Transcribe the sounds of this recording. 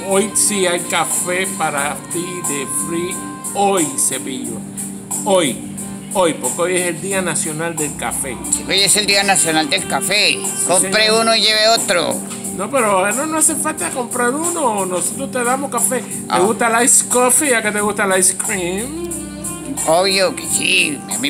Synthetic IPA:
ojsiajkafepaɾat̪iðefɾi | ojse̞βiʎa̰ | oj | ojpoɾkeojese̞ld̪ianasjo̞nald̪e̞lka̰fe̞seβejeseld̪ianasjonald̪elkafekompɾeunoiʝeβeot̪ɾo̰ | nopeɾononosefalt̪aako̞mpɾaɾunonosot̪ɾost̪eðamohkafe | t̪eɣust̪alajskofiʝaket̪eɣust̪alajskɾim | oβjokesḭami

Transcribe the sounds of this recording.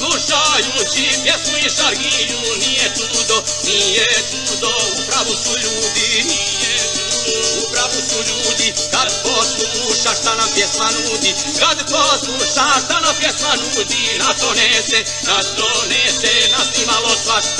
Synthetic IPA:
luʃaʎuːt͡ʃipjesmujɛʃaɾɡiɲu | nijɛt̪uːd̪o | nijet̪u | d̪oupɾaʋusuʎuːd̪ini | jɛt̪ud̪oupɾavusuʎuːd̪i | kad̪posluluʃaʃt̪anapjesmanud̪i | kad̪posuʃt̪aʃt̪anapjesmanuːd̪inat̪onese | naʃt̪onesɛnaslimalosʋa

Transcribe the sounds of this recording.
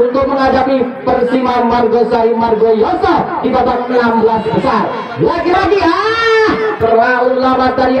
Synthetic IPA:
unt̪ʊk̚məŋad͡ʒapipərsimamarɡosaimarɡojɔsadit̪atanməlambəlasbəsar | waɡiɾadia | kəraulamat̪aɾi

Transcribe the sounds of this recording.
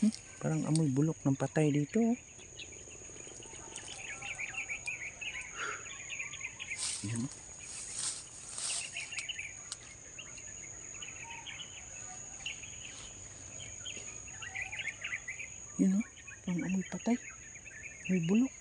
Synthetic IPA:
pa̰ɾaŋʔɐ̰mojbulʊk̚naŋpat̪ajd̪iːt̪o | jano | juno | paɾaŋɐmojpat̪aj | mojbʊlʊk̚

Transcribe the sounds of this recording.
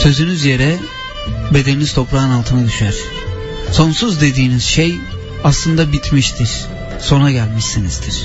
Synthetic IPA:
sø̞zynyzje̞ɾɛ | be̞d̪e̞ninizt̪ʰo̞pɾaːnalˠt̪ʰɯnad̪yʃaɾ̥ | so̞nsuzd̪e̞d̪iːniz̥ʃej | aslˠɯnd̪abit̪ʰmiʃt̪ʰiɾ̥ | so̞naɟælʲmiʃsinizd̪iɾ̥

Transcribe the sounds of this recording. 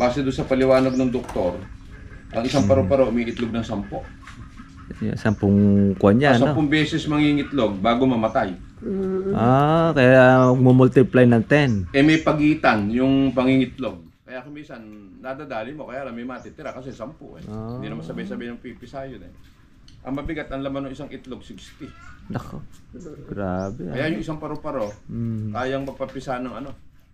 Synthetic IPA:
b̥aːsɛd̪ʊnsɐpɐlɪwaːnɐɡ̚nɐŋd̪ok̚t̪o̞ɾ | ʔɐŋɪsaŋpɐɾopɐɾoʔmɐʔɪt̪loɡ̚nɐŋsɐmpoʔ | jo̰sɐmpʊŋkʊʔananɐopoŋbɛːsɛsmɐŋiŋɪt̪lo̞ɡ̚baːɡomɐmɐt̪aj | ʔakɐjamɐɡ̚momult̪ɪplajnɐŋt̪ɛnʔɛmɐjpɐɡiːt̪ɐnjʊŋpɐŋiŋɪt̪lo̞ɡ̚ | kɐjakomiːsɐnːaːd̪ad̪aːlɪnmo̞kɐjaʔlɐnmɐjmɐt̪iːt̪ɪɾakɐsɛsɐmpʊ̰ʔɛond̪inɐmɐsɐbajsɐbaːɪnɐŋpipɪsajonɛ | ʔɐ̰ŋmɐbɪɡat̪ɐŋlɐmanoŋʔɪsaŋʔɪt̪lo̞ɡsikst̪id̪ɐkoɡ̥ɾaːbɛkɐjajʊŋʔɪsaŋpɐɾopɐɾokaːjɐŋmɐɡ̚pɐpɪsanɐŋɐno̞

